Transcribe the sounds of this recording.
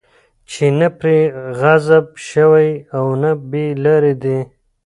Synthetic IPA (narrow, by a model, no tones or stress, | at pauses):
t͡ʃʰenapɾeɣazabʃəwajawnabelaɾid̪e